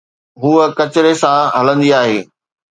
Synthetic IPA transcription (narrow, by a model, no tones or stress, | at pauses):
ɦuːəkɐt͡ɕɪɾesãɦɐlə̃nd̪iaːɦeː